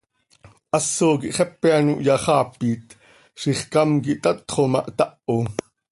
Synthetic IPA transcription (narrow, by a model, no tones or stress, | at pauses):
ʔɑsːokiʔχɛpːeanuʔjɑχɑːpiːt̪ | ʃiχkɑmkiʔt̪ɑt̪χomɑʔt̪ɑʔo